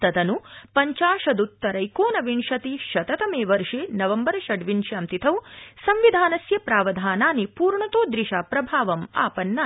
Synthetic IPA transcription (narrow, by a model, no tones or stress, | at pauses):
t̪ɐt̪ɐnupɐɲt͡ʃaːʂɐd̪ut̪ːɐɾɐjkoːnɐʋiɳʂɐt̪iʃɐt̪ɐt̪ɐmeːʋɐɾʂeːnɐʋɐmbɐɾɐʃɐɖʋiɳʃɐmt̪it̪ʰɐwsɐmʋid̪ʱaːnɐsjɐpɾaːʋɐd̪ʱaːnaːnipuːɾɳɐt̪oːd̪ɾiʃaːpɾɐbʱaːʋɐma̰ːpɐnːa